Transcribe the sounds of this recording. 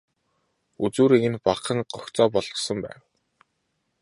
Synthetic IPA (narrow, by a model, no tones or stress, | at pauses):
ut͡suːɾiɣɘ̆npaqə̆ŋɢɔkt͡sɔːpɔɮɞ̆χsə̆mpæ̰ːw